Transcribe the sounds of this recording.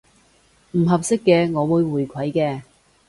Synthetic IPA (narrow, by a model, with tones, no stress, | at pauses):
m̩˨˩ɦɐ˨p̚sɪ˥kːɛː˧ŋɔː˨˧wuː˨˧jwuː˨˩jkʷʰɐ˨˥jkɛː˧